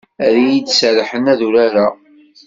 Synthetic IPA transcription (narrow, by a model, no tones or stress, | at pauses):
æɾijid̪sɾħənæðuɾaɾa